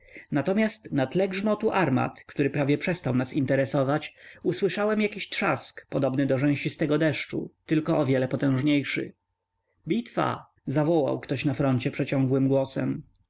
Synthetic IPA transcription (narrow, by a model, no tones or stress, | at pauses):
nat̪ɔmʲjast̪nat̪lɛɡʐmɔt̪uʔaɾma̰t̪kt̪uɾɘpɾavʲjɛpʂɛst̪awnasint̪ɛɾɛsɔvat͡ɕuswɘʂawɛmjakʲiɕt̪ʂaskpɔd̪ɔbnɘd̪ɔʐɛ̃w̃ɕist̪ɛɡɔd̪ɛʂt͡ʂṵt̪ɘlkɔʔːvʲjɛlɛpɔt̪ɛ̃w̃ʐɲejʂɘ̰ | bʲit̪fa̰ | zavɔwa̰wkt̪ɔɕnafɾɔnt͡ɕɛpʂɛt͡ɕɔ̃ŋɡwɘmɡwɔsɛ̰m